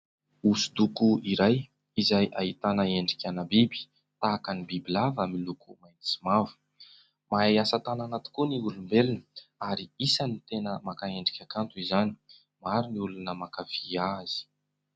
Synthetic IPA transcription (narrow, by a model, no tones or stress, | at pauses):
usu̥d̪ukuiɾaj | izajʔaɦit̪anəeɳɖ͡ʐi̥kʲanabibi̥ | t̪aːkanibibilavamilukumajnt͡simavu̥ | majasat̪ananat̪i̥kuniulumbelinəaɾiisanit̪enəmakaeɳɖ͡ʐikʲakant̪uizani | maɾiniulunəmakaviaz̥i̥